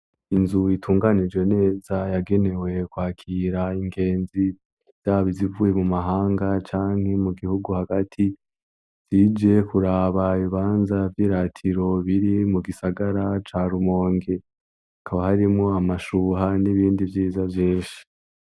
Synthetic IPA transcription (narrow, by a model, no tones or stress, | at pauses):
inzuitʰuːŋɡanid͡ʒwe̞ne̞ːzajaɡe̞ne̞we̞kwaːkʰiɾaiŋɡe̞ːnzi | z̥aːβizivuje̞mumaɦaːŋɡat͡ʃaːŋ̥he̞muɡihuɡuhaɡatʰi | z̥id͡ʒe̞kuɾaːβaβiβaːnzavjiːɾatʰiɾo̞βiɾimuɡisaɡaɾat͡ʃaːɾumo̞ːŋɡe̞ | akʰaβahaɾimŋo̞amaʃuɦaniβiːndivjiːzavjiːnʃi̥